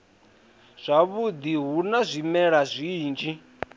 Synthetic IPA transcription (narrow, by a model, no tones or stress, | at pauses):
z̥ʷaβud̪iɦunazʷimɛɺazʷiːnd͡ʒi